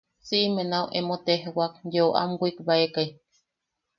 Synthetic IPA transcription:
t͡siʔmenauwʔemot̪eɦwak̚joʔa̰mɡʷikbaekaj

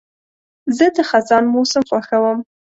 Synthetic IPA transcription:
zɨdɨχazanmuwsɨmqʷʼaxɐwɐm

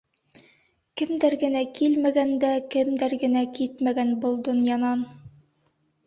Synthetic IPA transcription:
kɘ̆md̪æɾɡɘ̆nækilmæɡænd̪ækɘ̆md̪æɾɡɘ̆nækit̪mæɡænbɤlˠd̪ŏnjɑnɑn

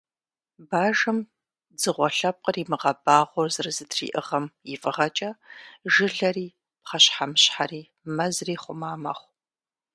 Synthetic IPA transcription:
baːʒɨm | d͡zɨʁʷɔɬɐp̚qʼəriːmɨʁɐbaːʁʷɔrzɨrɨzɨtrḭːʔɨʁɐmjɪfʼɨʁɐt͡ʃʼɐʒɨɮɐriː | pχɐɕħamɕħariː | mɐzriːχʷʊmaːmɐ̰χʷ

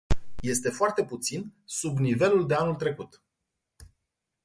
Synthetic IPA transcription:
je̞st̪e̞foart̪e̞put̪sinsubnive̞luld̪e̞anult̪ɾe̞kut̪

